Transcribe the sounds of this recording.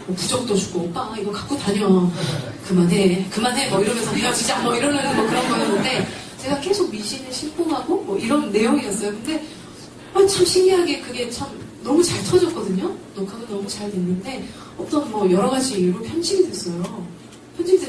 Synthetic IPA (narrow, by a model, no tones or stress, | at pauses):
mʌpud͡ʑʌk̚t͈ot͡ɕu̥ɡ͈oʌp͈aiɡʌkak͈otaɲʌ | kɯmanɦe̞kɯmane̞mʌiɾʌmjʌnsʰʌmiʌd͡ʑid͡ʑianmʌiɾʌnːeʌkɯɾʌnɡʌnɯnʌnde̞ | t͡ɕe̞ɡake̞sʰoɡ̚miɕʰinɯɭɕʰimp͈ʰoŋɦaɡomwʌʔiɾʌnːe̞joŋiʌs͈ʌjokɯnde̞ | mat͡ɕʰamɕʰiŋiɦaɡe̞kɯɡe̞t͡ɕʰamnʌmut͡ɕaɭtʰʌd͡ʑʌk͈̚ʌdɯɲonokʰaɡonʌmut͡ɕaɭdwenːɯnde̞ | ʌt͈ʌnmwʌjʌɾʌɡad͡ʑiːjuɾopʰjʌnd͡ʑʰiɡidwe̞s͈ʌjo | pʰjʌnd͡ʑʰiɡide